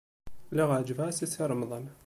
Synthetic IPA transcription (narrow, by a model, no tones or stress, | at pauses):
laɣad͡ʒvaːsɪsaɾˤɑmɑðˤɑːn